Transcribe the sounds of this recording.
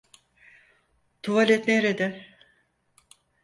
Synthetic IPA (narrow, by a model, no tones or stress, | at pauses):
t̪ʰuvalʲet̪neɾed̪ɛ